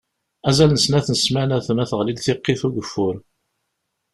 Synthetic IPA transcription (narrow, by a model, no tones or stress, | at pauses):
æzælnəsnæθnəsmænæθmæθəʁlid̪θɪqːɪθuɡəfːʊɾ